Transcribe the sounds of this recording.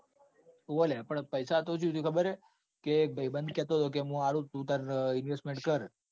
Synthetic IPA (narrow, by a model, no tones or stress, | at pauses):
ʋolepəɳpəjsat̪ot͡ʃʰũt̪ũkʰəbəɾe | kebʱəibənd̪̚kɛt̪oɦət̪ok̬eɦũaɽũt̪ũt̪aɾɪnʋesʈmeɳʈ̚kəɾ